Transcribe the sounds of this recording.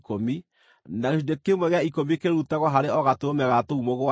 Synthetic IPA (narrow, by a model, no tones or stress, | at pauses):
komi | naɣeʃudekemwɛɣeaikomikeɾɾutaɣwɔɦaɾeɔɣatomɛɣatoumoɣoa